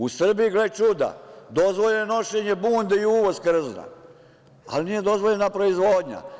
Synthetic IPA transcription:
usr̩bijiɡlet͡ʃud̪a̰d̪o̞zʋoʎeeno̞ʃeɲebuːnd̪eiuʋozkr̩zna̰ | a̰lnije̞d̪o̞zʋoʎenapɾo̞izʋoːd̪ɲa̰

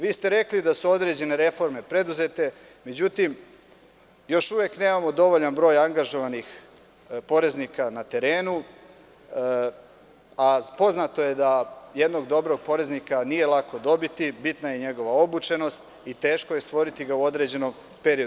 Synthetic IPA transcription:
ʋiːst̪eɾe̞klid̪asuo̞d̪ɾe̞d͡ʑe̞ne̞ɾe̞fo̞ɾme̞pɾe̞d̪uze̞t̪e̞ | me̞d͡ʑut̪im | jo̞ʃuʋekne̞ːmamo̞d̪o̞ʋoʎanbɾo̞ːjaŋɡaʒo̞ʋanix | po̞ɾe̞znikanat̪e̞ɾe̞ːnu | apo̞znat̪o̞je̞d̪ajed̪no̞ɡd̪o̞bɾo̞ɡ̚po̞ɾe̞znikanije̞lˠako̞d̪o̞bit̪ibit̪naje̞ɲe̞ɡo̞ʋao̞but͡ʃe̞no̞st̪ | it̪e̞ːʃko̞jest̪ʋo̞ɾit̪iɡauo̞d̪ɾe̞d͡ʑe̞no̞m | peɾio

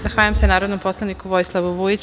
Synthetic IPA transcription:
zaxʋaːʎamsenaːɾod̪nomposlˠanikuʋojslˠaʋuʋujit͡ɕ

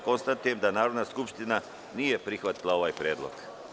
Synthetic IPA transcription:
ko̞nst̪at̪ujemd̪anaːɾo̞d̪naskupʃt̪ina | nije̞pɾixʋat̪ilˠao̞ʋaːjpɾjeːd̪lˠo̰ɡ̥

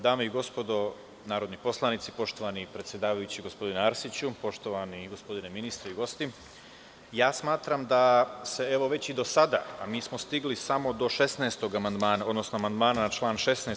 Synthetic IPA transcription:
d̪aːmeiɡo̞spo̞d̪o̞ | naːɾo̞d̪nipo̞slˠanit̪sipo̞ʃt̪o̞ʋanipɾe̞t̪sʲje̞d̪aːʋajut͡ɕiɡo̞spo̞d̪ineaɾsit͡ɕupo̞ʃt̪o̞ʋaniɡospo̞d̪ineminist̪ɾeiɡo̞st̪i | jaːsmaːt̪ɾamd̪ase̞eʋo̞ʋe̞t͡ɕid̪o̞sad̪a̰amiːsmo̞st̪iɡlisamo̞d̪o̞ʃe̞snɛest̪o̞ɡamand̪maːnao̞d̪nosnoamand̪maːnanat͡ʃlˠaːnʃe̞snɛ

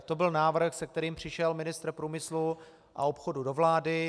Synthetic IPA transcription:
t̪o̞bɪlnaːvr̩xsɛk̚t̪ɛɾiːmpr̝̥ɪʃɛlmɪnɪst̪r̩pɾuːmɪslu | ʔa̰opxodudovlaːdɪ

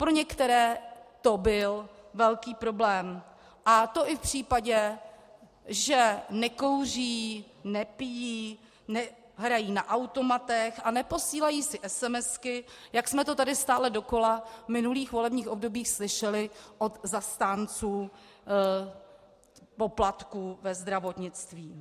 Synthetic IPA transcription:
pɾo̞ɲɛkt̪ɛɾɛːt̪o̞bɪlvɛlkiːpɾo̞blɛːm | ʔat̪o̞ʔɪfpr̝̥iːpaɟɛ | ʒɛnɛko̞wr̝iː | nɛpɪjiː | nɛ | ɦɾajiːnaʔawt̪o̞mat̪ɛxʔanɛpo̞siːlajiːsɪʔɛsɛmɛskɪjaksmɛt̪o̞t̪adɪst̪aːlɛdo̞ko̞lavmɪnuliːxvo̞lɛbɲiːxʔo̞bdo̞biːxslɪʃɛlɪʔo̞t̪zast̪aːnt͡suː | po̞plat̪kuvɛzd̪ɾavo̞t̪ɲɪt͡st̪viː

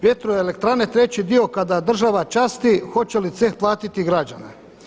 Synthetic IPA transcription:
ʋjet̪ɾojeelek̚t̪ɾanet̪ɾe̞t͡ɕid̪io̞kad̪ad̪r̩ʒaʋat͡ʃaːst̪ixo̞t͡ɕelit̪sexplˠaːt̪it̪iɡɾad͡ʒanḛ

